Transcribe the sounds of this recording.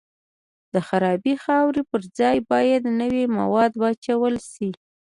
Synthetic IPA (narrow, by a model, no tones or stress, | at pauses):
d̪̥əxaɾɑbixɑwɾepəɾd͡zɑjbɑjad̪nəwema̰wɑd̪wɑt͡ʃawəlʃi